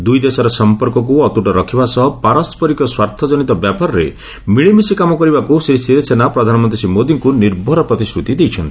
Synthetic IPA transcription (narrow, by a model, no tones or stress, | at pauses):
d̪ujd̪esɔɾɔsɔmpɔɾkɔk̬uɔt̪uʈɔɾɔkʰibasɔɦɔpaɾɔspɔɾikɔswaɾt̪ʰɔd͡ʒɔnit̪ɔbjapɔɾɔɾḛ | miɭemisikamɔkɔɾibakusesiɾesenapɾɔd̪ʱanɔmɔnt̪ɾisimod̪iŋkuniɾbʱɔɾɔpɾɔt̪isɾut̪id̪ejt͡ʃʰɔnt̪iii̥